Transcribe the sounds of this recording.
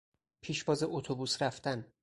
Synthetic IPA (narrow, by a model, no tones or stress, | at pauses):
pʰiːʃbɒːzeʔot̪ʰobuːsɾæft̪æn